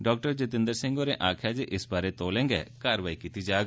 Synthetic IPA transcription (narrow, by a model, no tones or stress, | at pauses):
ɖɔːk̚ʈəɾd͡ʒɪt̪ɪ̃nd̪əɾsɪ̃ŋɡoːɾeʔaːkʰjaːd͡ʒiʔɪsbaːɾet̪oːlẽːŋɡɛ̰ːkaːɾʋaːikiːt̪id͡ʒaːɡ